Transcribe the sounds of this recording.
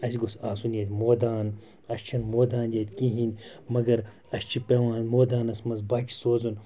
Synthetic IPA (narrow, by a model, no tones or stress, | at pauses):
ɐsiɡosaːsunjɐt̪ʲmoːd̪aːn | ɐʃt͡ʃʰɐnmoːd̪aːnjɐt̪ʲkĩɦinʲmɐɡɐɾ | ɐʃt͡ʃʰipeʋaːnmoːd̪aːnɐsmɐzbaːkʲi̥soːzun